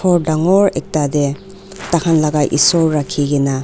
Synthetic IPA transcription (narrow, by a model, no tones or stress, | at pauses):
ɔɾdaŋɔɾek̚tade | takʰanlaɡajʔḭsɔɾːakʰːiɡena